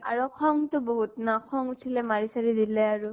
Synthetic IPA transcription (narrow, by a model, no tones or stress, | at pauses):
a̰ɹɔkʰɔŋtʊboɦutnakʰɔŋutʰilɛmaɹisaɹidilɛaɹu